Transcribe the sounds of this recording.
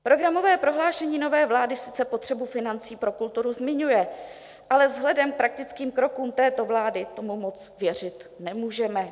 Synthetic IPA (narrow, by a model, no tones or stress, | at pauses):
pɾo̞ɡɾamo̞vɛːpɾo̞ɦlaːʃɛɲiːno̞vɛːvlaːdɪsɪ̥t͡sɛpo̞t̪r̝̥ɛbufɪnant͡siːpɾo̞kult̪uɾuzmɪɲujɛ | ʔalɛvzɦlɛdɛmk̚pɾak̚t̪ɪt͡skiːmkɾo̞kuːmt̪ɛːt̪o̞vlaːdɪt̪omumo̞t͡s | vjɛr̝ɪt̪nɛmuːʒɛmɛ